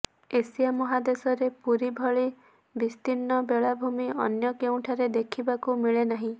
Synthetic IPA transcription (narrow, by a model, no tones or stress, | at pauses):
esijamɔɦad̪esɔɾepuɾibʱɔɭi | bist̪inːɔbeɭabʱumiɔ̰njɔkeũʈʰaɾed̪ekʰibakumiɭenaɦĩ